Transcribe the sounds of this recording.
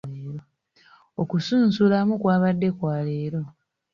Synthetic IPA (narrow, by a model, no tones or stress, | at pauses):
eɾo | okusuːnsulamukwaːβadːe̞kwaːle̞ːɾo̞